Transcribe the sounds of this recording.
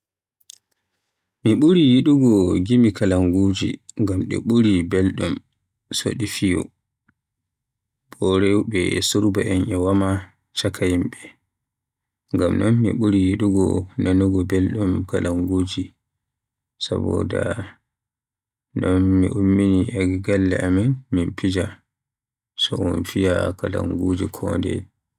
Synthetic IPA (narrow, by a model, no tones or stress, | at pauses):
miɓuɾijiɗuɡɔɡimikalaŋɡuːd͡ʒḭŋɡamɗɛ̰ɓuɾibɛlɗum | so̰ɗifijɔ̰ | b̥ɔɾɛwɓɛ̰suɾba̰ʔɛnʔɛwama | t͡ʃakʰajimɓɛ | ŋɡamnɔnːḭɓuɾijiɗuɡɔnanuɡɔbelɗumkalaŋɡoːd͡ʒi | sa̰bɔ̰da̰ | nɔnːḭʔomːiniʔaɡiɡalːɛ̰ʔaminminpid͡ʒa | sɔɔnfijakala̰ŋɡod͡ʒikʰɔndɛ̰